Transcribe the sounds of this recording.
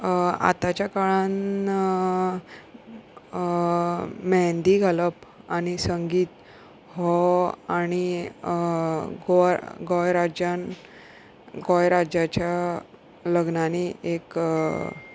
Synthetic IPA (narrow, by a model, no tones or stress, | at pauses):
a̰t̪at͡ɕjakaɭan | mɛnd̪iɡʱaləpaɽ̃isəŋɡiːt̪ | hɔañi | ɡɔɡɔjɾad͡ʑan | ɡɔjɾad͡ʑat͡ɕja | ləɡnaniek